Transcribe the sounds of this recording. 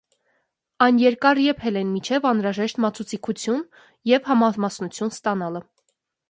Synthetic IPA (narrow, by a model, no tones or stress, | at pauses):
ɑjnjɛɾkɑɾjɛpʰɛlɛnmit͡ʃʰɛvɑnɾɑʒɛʃt̪mɑt͡sʰut͡sʰikʰut͡sʰjun | jɛvhɑmɑmɑsnut͡sʰjunst̪ɑnɑlə